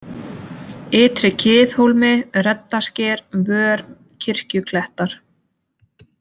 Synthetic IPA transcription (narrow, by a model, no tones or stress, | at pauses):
ɪːt̪ɾɪcʰɪːθhowlmɪrɛt̪̚nascɛːɾvœːɾ | cʰɪr̥cʏkʰlɛht̪aɾ̥